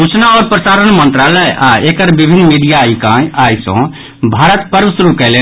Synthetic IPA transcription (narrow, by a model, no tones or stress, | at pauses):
ut͡ʃʰnaɔɾpɾəsaɾənmənt̪ɾaləjʔaekəɾbibʱinːmiɖijaikãajsɔ̰̃ | bʱaɾət̪pəɾbəsɾukɛɪle